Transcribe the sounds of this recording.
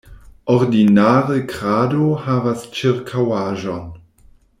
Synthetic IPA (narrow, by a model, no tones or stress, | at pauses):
oɾdinaːʁəkɾaːdohavast͡ʃiɾkʰawaːʒon